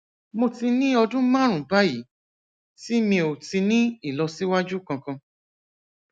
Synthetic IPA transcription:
mo˧ti˧nĩ˦ɔ˧dũ˦mã˦ɾ̃ũ˨ba˦ji˨˦ | ti˦mĩ˧o˨ti˧nĩ˦i˦˨lɔ˧si˦wa˦d͡ʒu˦kã˧kã˧

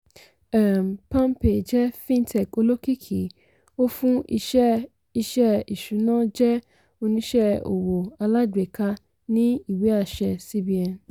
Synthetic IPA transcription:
ɛ˨m˨pã˦m˦pe˨d͡ʒɛ˦fĩ˦n˦tʰɛ˨ko˦lo˦ki˦kʰḭ˨ | o˦fũ˦i˦ʃɛ˦ | i˧ʃɛ˦i˨ʃu˨˦nãː˦d͡ʒɛ˦ | o˦nĩ˦ʃɛ˦o̰˨wo˨a˨˧la˦de˨kʰa˦ | nĩ˦i˨we˦a˦˨ʃɛ˨si˦bi˨ã˨n

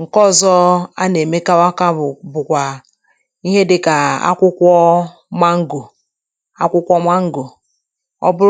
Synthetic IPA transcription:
ŋ̩˨kɔ˦˨zɔ˦a˦ne˨me˦ka˦wa˦ka˦˨bʊ˨kʷa˨ | i˦ɦe˦dɪ˦ka˨a̰˦kʷʊ˦kʷɔ˦ | ma˦ŋ̩˦ɡu˨ | a˦kʷʊ˦kʷɔ˦ma˦ŋ̩˦ɡu˨ | ɔ̰˦bʊ˦ɾ

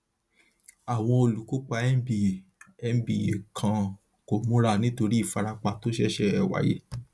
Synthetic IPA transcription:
a˨w̃ɔ̃˧o˧lu˨ko˦k͡pa˧ɛ˦bi˨ɛ˦˧m˨bi˨je˨kʰã˧ | ko˨mũ˦ɾa˧nĩ˦to˧ɾi˦i˦˨fa˧ɾa˧k͡pa˧to˦ʃɛ˦ʃɛ˧ɛ˨wa̰˨˦jḛ˦

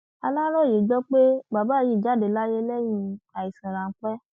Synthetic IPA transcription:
a˧lã˦ɾ̃ɔ˦˨je˨d͡ʒɔ˦k͡pe˦ba˨ba˦˨ji˦˨d͡ʒa˨˦˨de˨la˦je˦lɛ˦j̃ĩ˧a˨i˨sĩ˨ɾ̃ã˨˦k͡pɛ˦

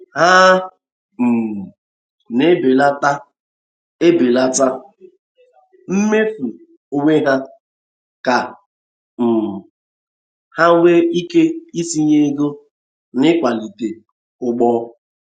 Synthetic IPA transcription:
ha˦ | m̩˨ | ne˦be˨la˦ta˦ | e˦be˨la˦ta˦ | m̩˦me˦fu˨ | o˨ŋe˦ɦa˦ | ka˨ | m̩˨ | ha˦we˦i˦ke˦i˦si˦ɲe˦ɡo˦ | nɪ˦kʷa˨li˨te˨ | ʊ˦ɡ͡bɔː˦

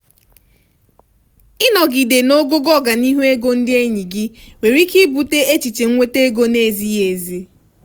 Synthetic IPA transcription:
ɪ˦nɔ˨ɡi˨de˨no˦ɡo˦ɡɔ˦˨ɡa˨ni˦ɦu˦e˦ɡo˦n̩˦dɪ˦e˦ɲi˨ɡɪ˦we˨ɾi˦ki˦bu˨te˦e˦t͡ʃi˨t͡ʃe˨ŋ̩˦ŋʷe˦te˦ɡo˦ne˦˨zi˦ɦe˨zi˦

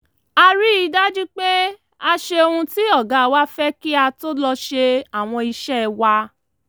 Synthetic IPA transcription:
a˧ɾi˦i˧da˦d͡ʒi˦k͡pe˦ | a˧ʃe˧o˧hũ˧ti˦ɔ˦˨ɡa˨˦˧wa˦fɛ˦ki˦a˧to˦lɔ˧ʃe˧a˦˨w̃ɔ̃˧i˧ʃɛ˦wa˧

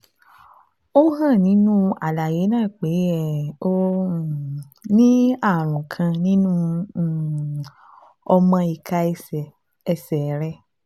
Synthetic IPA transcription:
o˦ɦã˦˨nĩ˨˦nũ˦a˨la˨je˨˦nãː˦˨k͡pe˨˦ɛ˦˨o˦˨ | nĩ˦a˦˨ɾ̃ũ˨kʰã˧nĩ˦nũ˦˨ | ɔ˧mã˧i˨kʰa˧˦˧ɛ˨ | ɛ˧sɛ˨ɾɛ˦

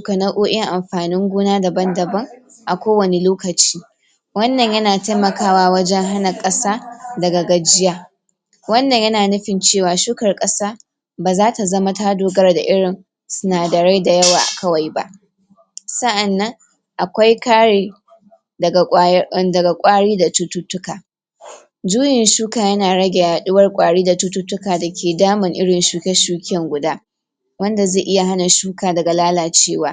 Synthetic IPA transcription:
kɐ˨nɐ˦ʔuː˦ʔɪ˦ŋʔa˨mɸaː˨nɪ˦ŋɡʷuː˦naː˦dɐ˨bɐ˦ndɐ˨bɐ˦ŋ | ʔa˨kʷoː˦wɐ˨ne˨loː˦kɐ˨t͡ʃi̥ː˦ | wɐ˦nːɐ˨ɲjɐ˦naː˨ta˦jmɐ˨kaː˦waː˦wɐ˦d͡ʒɛ˦ŋɦa˦nɐ˨kʼɐ˦saː˦dɐ˨ɡa˨ɡɐ˨d͡ʒɪ˦jaː˦ | wɐ˦nːɐ˨ɲjɐ˦naː˨nʊ˦ɸɪ˨nt͡ʃeː˦˨waː˨ʃuː˦kɐ˨rkʼɐ˦saː˦ | baː˨zaː˦ta˨zɐ˦ma˦taː˦doː˨ɡɐ˦rda̰˨ʔɪ˦ɽɪ˨n | sʊ˦naː˨dɐ˨ɽa˦jda˨jɐ˦waː˨ʔa̰˨kʰɐ˦wa˨jba̰˦ʔ | sɐ˦ʔa˨nːɐ˦ŋ | ʔa˨kʷa˦jkaː˦eː˨ | dɐ˨ɡa˨kʷʼaː˦ɽiː˦da˨tʊ˦tʊ˦tʊ˦kaː˨ | d͡ʒuː˦jɪ˨nʃuː˦kaː˨jɐ˦naː˨ɽɐ˦ɡʲɛ˨jaː˨ɗʊ˦wɐ˦rkʷʼaː˨ɽiː˦da˨tu˦tʊ˦tːʊ˦kaː˨da˨kʲʰeː˨daː˦mɪ˨ŋʔɪ˦ɽɪ˨nʃuː˦kʲɛ˦ʃuː˦kʲɛ˨ŋɡʷʊ˨daː˦ | wɐ˦nda˨ze˦˨ʔɪ˦ja˨ɦa˦na˨ʃuː˦kaː˨dɐ˨ɡa˨laː˦laː˨t͡ʃeː˦waː˦

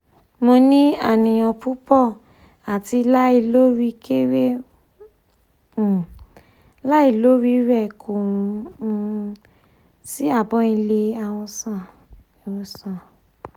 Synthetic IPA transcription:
mo˧nĩ˦a˦˨nĩ˨j̃ɔ̃˨pu˦pɔ˦˨ | a˨ti˧la˦i˧lo˦ɾi˦ke˦we˦˨ | la˦i˧˨lo˦ɾi˦ɾɛ˦˨kʰo˨ũ˧ | si˦a˦˨bɔ̃˨˦ĩ˧le˧a˧˨w̃ɔ̃˧sã˦˨ | wɔ̃˧sã˨

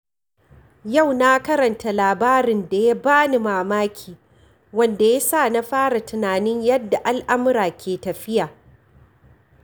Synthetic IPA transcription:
ja˦˨wna˦kɐ˦ɾɐ˨nta˨laː˨baː˦ɾɪ˨nda˨ja˦baː˦ni˨maː˨maː˦kʲʰiː˨ | wɐ˦nda˨ja˦saː˦˨na˦ɸaː˦ɽa˨tɪ˨naː˨nɪ˦ɲjɐ˦dːa˨ʔa˦lʔa˦mʊ˦ɾaː˨kʲʰeː˨tɐ˨ɸɪ˦jaː˨

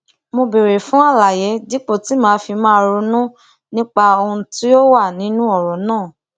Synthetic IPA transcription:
mo˧be˨ɾe˨fũ˦a˦˨la˨jɛ˨˦di˦k͡po˦˨ti˨˦mãː˨˦fi˧mãː˦ɾu˧nũ˦ | nĩ˦k͡pa˧o˧hũ˧ti˦jo˦wa˦˨nĩ˨˦nũ˦ɔ˦˨ɾɔ˨nãː˦˨

